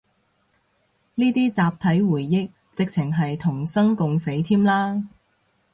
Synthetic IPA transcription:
niː˥t̪iː˥t͡saː˨˧p̚t̪ʰɐ˨˥jwuː˨˩jːɪ˥k̚ | t͡sɪ˨k̚t͡sʰɪ˨˩ŋɦɐ˨jt̪ʰʊ˨˩ŋsɐ˥ŋkʊ˨ŋse˨˥jt̪ʰiː˥mlaː˥

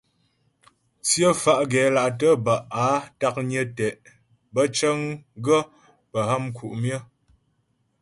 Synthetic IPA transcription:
t͡sjə˦fa˦ʔɡɛ˨˦la˨ʔtə˦ba˨ʔa˨˦ta˦k̚ɲə˦tɛ˨ʔ | bə˦t͡ʃə˦ŋɡə˦ | pə˨ha˦mkʰu˨ʔmjə˦

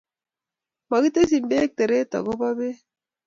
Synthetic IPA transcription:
ma˨ɡi˦te˦s̬i˨mbe˦k̚te˨ɾe˦ta̰˨ɡo˦ba˦be˦

